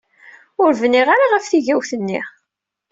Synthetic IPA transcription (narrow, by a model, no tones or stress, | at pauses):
ʊɾvniʁaɾaʁəfθiʝæwθənːḭʁ